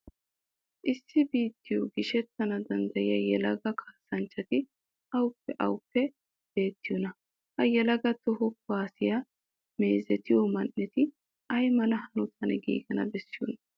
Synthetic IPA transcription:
ʔɪsːɪbiːt̪ːɪjɔɡɪʃɛt̪ːɐnɐd̪ɐnd̪ɐjɪjɐjɛlɐɡɐkʰaːsːɐnt͡ʃːɐt̪ɪ | ʔɐwʊpːɛʔɐ̰wʊpːɛ | b̥e̞ːt̪ːɪjɔnɐ | hɐjɛlɐɡɐt̪ɔɦɔkaːsɪjɐ | me̞ːzɛt̪ɪjɔmɐnːɛt̪ɪ | ʔɐjmɐnɐhɐnʊt̪ʰɐnɛɡḭːɡɐnɐ̰bɛsːɪjɔ̰nɐ

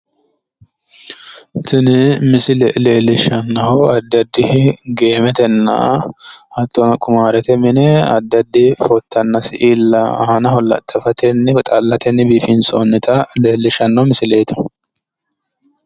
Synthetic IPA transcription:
tɪnɪmɪsɪlɛleːlːɪʃɐnːɐhɔɐd̪ːɐd̪ːɪhɪɡe̞ːmɛt̪ɛnːɐ̰hɐt̪ːɔnkʼʊmaːɾɛt̪ɛmɪnɛɐ̰d̪ːɐd̪ːɪfɔt̪ːɐnːɐsɪʔilːɐ̰hɐnɐhɔlɐ̰t̪ʼːɐfɐt̪ɛnːɪt̪ʼɐlːɐt̪ʰɛnːɪbiːfinso̰nːɪt̪ɐleːlːɪʃɐnːɐmɪsɪleːt̪ɐ̥

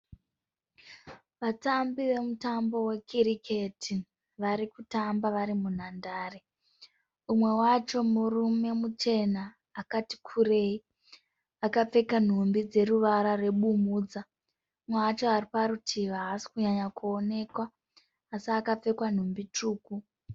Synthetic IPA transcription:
ʋatambiʋe̞mutambo̞we̞kʰiɾikʰe̞tʰi | ʋaɾikutambaʋaɾimun̤andaːre | umwe̞wat͡ʃo̞murume̞mut͡ʃe̞naː | kati̥kʰure̞i | akap͡fe̞kan̤umbid͡ze̞ruʋaɾare̞ɓumuːd͡za | umwewat͡ʃo̞aripaɾutʰiʋaɦːsi̥kuɲaɲakuone̞kwaː | siakap͡fe̞kwan̤umbituːku

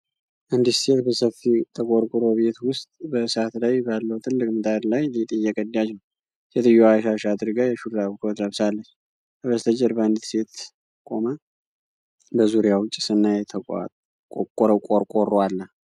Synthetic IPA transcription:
ʔɨnd̪it̪se̞t̪bəsəfit̪ʰəkʼoɾkʼuɾoβe̞t̪wʊst̪ʼbəsat̪lajbalːəwt̪ʰɨlːɨkʼmɨt̪ʼaɾlajlit̪ʼɨjːɛkʼəd̪jat͡ʃːnəw | set̪ɨjːoaʃaʃad̪ɨɾɡajɛʃuɾaβkʰwot̪ləβsalːət͡ʃː | əβəst̪ʰəd͡ʒɛɾbəɨnd̪it̪se̞t̪ | kʼo̞mə | bəzuɾjawʊt͡ʃʼi̥sɨnːajɛt̪ʰəa̰ | kʼɾəkʼoɾkʼoralːə

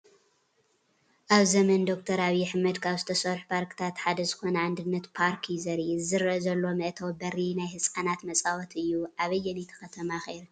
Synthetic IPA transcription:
ʔaβzɐmɐnd̪o̞k̚t̪ʰɐɾaβjɛħɨmɐd̪kʰaβzɨt̪ʰɐsɐɾħpʰaɾkɨ̥t̪ʰat̪ħad̪ɐzɨxo̞nɐʕand̪ɨnːɐt̪pʰaɾkʰjɪzɐɾzɨɾɐzɐlːo̞mɨʔt̪ʰɐwbɐɾinajhɨsʼkʼɐnat̪mɐt͡sʼawɔt̪ɨjːuʔaβɐjːɛnjɛt̪ʰɐ̥xɐt̪ʰɐmaxeɾ

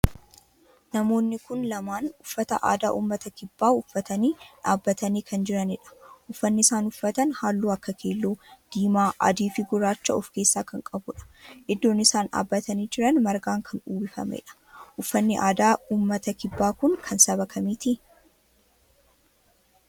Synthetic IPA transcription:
nɐmo̞ːnːɪkʊnlɐmaːnʊfːɐt̪ɐ̰ʔa̰ːd̪aːʔuːmːɐt̪ɐkɪbːaːʊfːɐt̪ɐniːᶑa̰ːbːɐt̪ɐniːkʰɐnd͡ʒɪɾɐnɪᶑɐ̥ʔʊfːɐnːɪɪsaːnʊfːɐt̪ɐnhaːlːuːɐkːɐkʰeːlːoːd̪̥iːmaːʔɐ̰d̪iːfɪɡʊɾaːt͡ʃːɐɔfke̞ːsːaːkɐŋkʼɐbʊᶑɐ̥ʔɪd̪ːo̞ːnːɪsaːnᶑa̰ːbːɐt̪ɐniːd͡ʒɪɾɐnmɐɾɡaːŋkʰɐnuːbɪfɐ̰mɛ̰ᶑɐ̥ | ʔʊfːɐnːɪʔaːd̪aːuːmːɐt̪ɐkɪbːaːkʊŋkʰɐnsɐβɐkʰɐmiːt̪ɪ

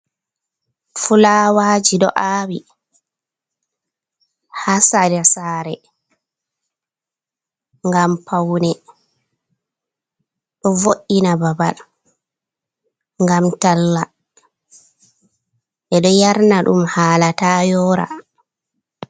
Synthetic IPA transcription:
fulaːwaːd͡ʒiɗɔ̰ʔaːwi | hasadɛsaːɾɛ | ŋɡampʰawnɛ | ɗɔvoʔːinababa̰l | ŋɡamtalːa | ʔɛɗɔjaɾnaɗṵmhaːlatajɔɾa̰

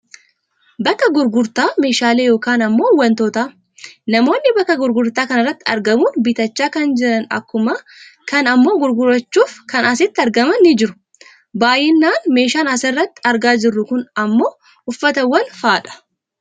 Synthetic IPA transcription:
bɐkːɐɡʊɾɡʊɾt̪aːme̞ːʃaːleːjo̞ːkaːnɐmːo̞ːwɐnt̪oːt̪aː | nɐmo̞ːnːɪbɐkːɐɡʊɾɡʊɾt̪aːkɐnɐrːɐt̪ːɪɐ̰ɾɡɐmuːnbɪt̪ɐt͡ʃːaːkɐnd͡ʒɪɾɐnɐ̰kːʊmɐ | kɐnɐmːo̞ːɡʊɾɡʊɾɐt͡ʃːuːfkɐnɐsɪt̪ːɪɐɾɡɐmɐnːɪd͡ʒɪɾʊ | baːjɪnːaːnme̞ːʃaːnɐsɐrːɐt̪ːɪ̥ɐɾɡaːd͡ʒɪrːʊkʊnɐmːo̞ː | ʊfːɐt̪ɐwːɐnfaːᶑɐ̥

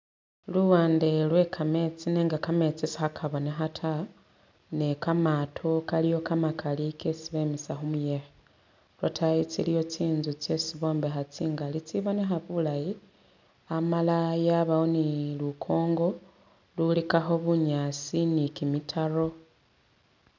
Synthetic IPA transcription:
luwaːnde̞lwe̞kʰame̞t͡sineːŋɡakame̞t͡sisi̥xakʰaβo̞nexatʰa | ne̞kamatʰo̞kalijo̞kamakʰalikʰesiβe̞misaxumujexe | lwatʰajit͡silijo̞t͡siːnzut͡se̞siβo̞ːmbexat͡siŋɡalit͡siβo̞ne̞xaβulaji | amalajaβawonilukʰo̞ːŋɡo̞ | lulikaxo̞βuɲat͡sinikimitʰaro̞

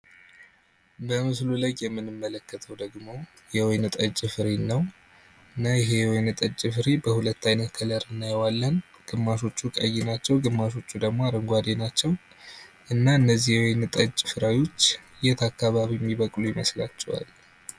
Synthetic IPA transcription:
bəmɨsluləjːɛmːɨnɨmːələkːət̪ʰəwd̪əɡmo̞ | jɛwɔjnɨt̪ʼət͡ʃʼːɨfɨɾenːəw | ʔɨnːajɪɦe̞jɛwɔjnɨt̪ʼət͡ʃʼːɪfɨɾebəhulət̪ːajnət̪kʰələɾɨnːajɛwalːən | ɡ̥ɨmːaʃo̞t͡ʃːukʼəjːenat͡ʃːɛwɡɨmːaʃ̬o̞t͡ʃːud̪əɡmo̞aɾəŋɡʷad̪enat͡ʃːɛw | ʔɨnːaɨnːəzːihjɛwɔjnɨt̪ʼət͡ʃʼːfɨɾajo̞t͡ʃːɨjɛt̪ʰakːaβaβijɛmːiβəkʼlujɪməsla̰t͡ʃːɛ̰wa̰l

